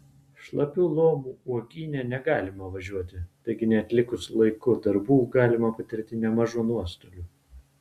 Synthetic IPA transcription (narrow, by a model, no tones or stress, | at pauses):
ʃlˠɐpʲuːlˠoːmuːuɔɡʲiːnʲɛnʲɛɡɑːlʲɪmɐʋɐʒʲuɔt̪ʲɪt̪ɐɪɡʲɪnʲɛɐt̪ʲlʲɪkʊslˠɐɪkʊd̪ɐɾbuːɡɑːlʲɪmɐpɐt̪ʲɪɾʲt̪ʲɪnʲɛmɐʒunuɔst̪oːlʲuː